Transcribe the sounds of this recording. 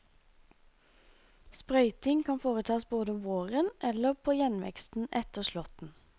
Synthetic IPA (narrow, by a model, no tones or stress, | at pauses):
spʁœʏt̪ɪŋkʰɑnfoːʁət̪ʰɑːsboːd̪əʊmʋoːʁənʔɛləpʰoːjɛnʋɛ̰kst̪n̩ʔɛt̪əʁʃlɔt̪n̩